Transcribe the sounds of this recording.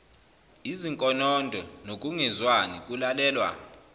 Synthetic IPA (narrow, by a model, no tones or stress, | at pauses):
iziŋkʼɔnɔndʱɔnok̬ʼuŋɛzwanik̬ʼulalɛːlwa̰